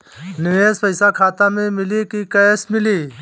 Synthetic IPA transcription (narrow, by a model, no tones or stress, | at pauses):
nɪʋeːspəɪsakʰaːt̪ãmẽmɪlikikəjsmɪliː